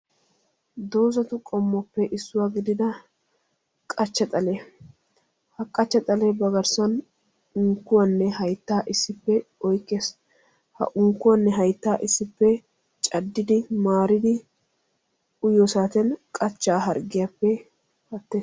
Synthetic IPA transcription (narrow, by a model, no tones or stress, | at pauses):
d̪o̞ːzɐt̪ʊkʼɔmːɔpːɛʔɪsːʊwaːɡɪd̪ɪd̪ɐ | kʼɐt͡ʃːɐt̪ʼɐleː | hɐkʼːɐt͡ʃːɐt̪ʼɐlebɐɡɐɾsɐn | ʊŋkːʊwɐnːɛhɐjt̪ːaːʔɪsːɪpːɛɔjkːeːs | hɐ̰ʔʊŋkːʊwɐnːɛɦɐjt̪ːaːʔɪsːɪpːɛ | t͡ʃʼɐd̪ːɪd̪ɪmaːɾɪd̪ɪ | ʊjoːsaːt̪ɛnkʼɐt͡ʃːaːɦɐɾɡɪjɐpːɛ | hɐt̪ːeːs